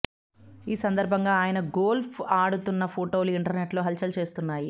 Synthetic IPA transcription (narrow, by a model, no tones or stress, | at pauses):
iːsɐnd̪ɐɾbʱɐŋɡaːaːjɐnɐɡoːlpʰaːɽut̪unːɐpʰoːʈo̞ːluiɳʈɐɾne̞ʈlo̞ːɦɐlt͡ʃɐlt͡ʃe̞ːst̪unːaːji